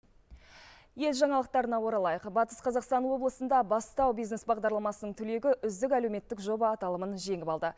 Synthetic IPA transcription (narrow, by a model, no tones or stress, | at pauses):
je̞lʒɑɴɑlˠəq̚t̪ɑɾənɑwo̞ɾɑlˠɑjəqbɑt̪ə̥sqʰɑzɑqst̪ɑnwo̞blˠəsənd̪ɑbɑst̪ɑwbijzne̞sbɑʁd̪ɑɾlˠɑmɑsənəɴt̪ʰɵle̞ɡʲɪʔʏzd̪ɪkælewme̞t̪ːɪkʒo̞bəːt̪ɑlˠəmənʒe̞ŋɪpɑlˠd̪ə